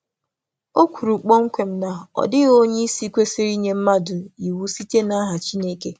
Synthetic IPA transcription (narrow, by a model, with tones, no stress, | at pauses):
o˦kʷu˨ɾu˨k͡pɔ˦ŋ̩˦kʷe˨m̩˦na˨ɔ̰˨dɪ˦ɣo˦ɲe˦i˦si˦kʷe˦si˦ɾi˦ɲe˦m̩˦ma˦dʊ˨i˨wu˦si˦te˦na˦ɦa˨t͡ʃi˦ne˦ke˨